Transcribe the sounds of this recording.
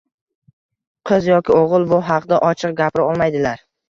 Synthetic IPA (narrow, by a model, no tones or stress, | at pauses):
qʰɨzjɒkʲɪoʁɨlˠbʊɦɑqd̪aʔɒt͡ʃʰɨq̚ɡʲapɾɪɒlˠmajd̪ɪlaɾ